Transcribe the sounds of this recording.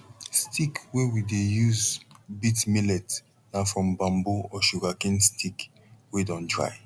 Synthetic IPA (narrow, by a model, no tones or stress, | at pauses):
stʰikwɛwidejuzbitmilɛt | nafɹɔ̃mbãmboɔʃuɡakĩnstʰik | wedɔ̃ndɹa̰ɪ